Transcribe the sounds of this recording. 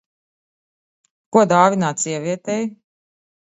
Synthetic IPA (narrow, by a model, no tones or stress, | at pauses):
kuɔd̪aːvʲinaːt̪siɛvʲiɛt̪ɛj